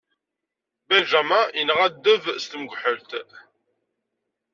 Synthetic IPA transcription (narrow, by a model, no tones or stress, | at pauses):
bæʒæmainʁæd̪ːəvst̪mɡʷħəlt̪